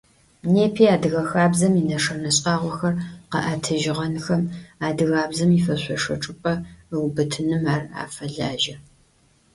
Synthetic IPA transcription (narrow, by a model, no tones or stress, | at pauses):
neːpʰiːaːdɨɣɐxaːbzɐminɐʂɐnɐɕʼaːʁʷɔxɐrqɐ̰ʔaːtʰɐʒɪʁɐnxɐmaːdɨɣaːbzɐmifɐɕʷʼɔʂɐʈ͡ʂʼɨpʼɐwbɨtʰɨnɨmaːra̰ːfɐɮaːʒɐ